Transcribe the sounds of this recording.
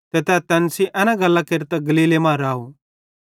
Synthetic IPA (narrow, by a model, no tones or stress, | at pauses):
t̪ɛt̪ɛːt̪ɛnsiʔɛ̃ːnãɡɐlːakeɾt̪aɡɐliːlemãːɾaːo